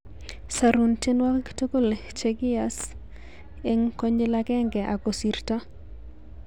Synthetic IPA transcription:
sa˨ɾu˨nte˦nwa˦kto˦ko˦˨lt͡ʃeɡɪ˦a˨s | e˦ŋko˦ɲelaɡɛ˦ŋɡɛ˨ʔa˨ko˨si˨rta˦

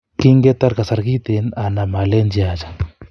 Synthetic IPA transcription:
ki˦ŋɡɛ˦t̪aɾka˨sa˨ɾki˦t̪ɛna˨na˨ma˨lɛ˦nd͡ʒi˦at͡ʃḁ

